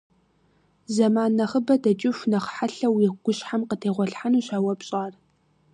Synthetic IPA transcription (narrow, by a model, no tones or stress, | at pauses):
zɐmaːnːɐχəbɐdɐt͡ʃʼɪfnɐχħaɬɐwiɡ̥ʷʊɕħamqətʰeːʁʷɔɬħanuːɕʷaːwɐpɕʼaːr